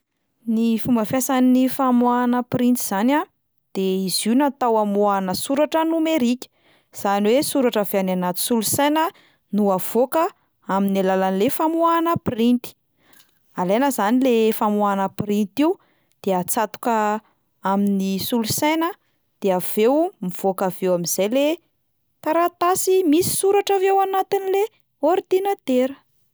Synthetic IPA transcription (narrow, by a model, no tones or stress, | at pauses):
nifumbəfjasaninifamuanəpɾint͡s̪iz̥ana | d̪̥eiziwnat̪awamuanəsuɾaʈ͡ʂənumeɾikʲə̥ | z̥aniwesuɾaʈ͡ʂaveananat̪u̥sulusejnə | nuav̥okə | aminalalanilefamuanəprint̪i̥ | alenəzanilefamuanəpɾint̪iw | d̪̥eat͡sat̪u̥kə | aminisulusajnə | d̪̥eav̥ewmiv̥okavewaminz̥ajle | t̪aɾat̪asimisi̥suɾaʈ͡ʂavewanat̪inile | oɾd̪inat̪eɾə̥